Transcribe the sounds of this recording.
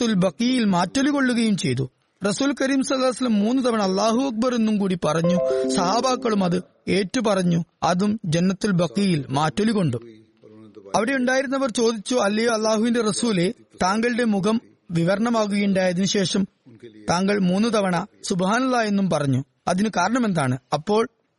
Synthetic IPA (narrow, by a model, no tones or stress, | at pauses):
ulbɐkijilmaːtːoliko̞ɭːuɣɐjumt͡ɕe̞jt̪̬u | rɐsuːlkɐɾiːmsɐlːaːɐsɐlːɐmːuːnːut̪̬ɐʋɐɳɐːlːaːɦuɐk̚bɐre̞nːumkuːɽipɐrɐɲːusɐɦaːbaːkːɐɭumɐðɨ | e̞ːtːupɐrɐɲːuɐðumd͡ʑenːɐt̪ːilbɐqːijilmaːtːoliko̞ɳɖu | ɐʋiɽe̞uɳɖaːjiɾunːɐʋɐrt͡ɕo̞ːd̪it͡ɕːuɐlːɐjoːɐlːaːhuʋinde̞rɐsuːle̞t̪aːŋɡɐɭɨɽe̞mukɐm | ʋiʋɐɾɐɳɐmaːɣ̬uɣɐjuɳɖaːjɐðinuɕe̞ːʂɐm | t̪aːŋɡɐɭmuːnːut̪ɐʋɐɳɐsubɐɦaːnɐlːaːje̞nːumpɐrɐɲːu | ɐðinɨkaːɾɐɳɐme̞nd̪aːɳɨɐpːo̞ːɭ